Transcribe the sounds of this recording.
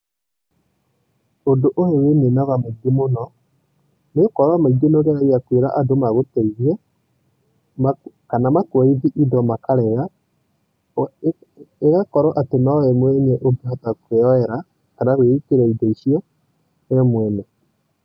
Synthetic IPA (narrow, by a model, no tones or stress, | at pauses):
ondoʔohewenenaβamaiɡemonɔ | nekɔɾwamaiɡenoɣeaɾiakweɾaʔadomaɣotɛɣiɛ | ma | kanamakwaiðiʔidɔmakaɾɛɣa | eɣakɔɾɔʔatenɔɛmwɛɲeʔobiatakweɔɛɾa | kanaɣweikeɾaidɔiʃiɔ | ɛmwɛnɛ